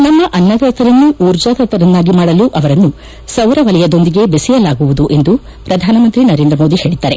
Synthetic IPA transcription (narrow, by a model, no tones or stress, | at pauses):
nɐmːɐʔɐnːɐd̪ɐt̪ɐɾɐnːuuːɾd͡ʒaːd̪ɐt̪ɐɾɐnːaːɡimaːɽɐluʔɐʋɐɾɐnːu | sɐʋɾɐʋɐlɛjɐd̪o̞nd̪iɡe̞besɛjɐlaːɡuʋud̪uʔe̞nd̪u | pɾɐd̪ʱaːnɐmɐnt̪ɾinɐɾend̪ɾɐmo̞ːd̪ihe̞ːɭid̪ːaːɾe̞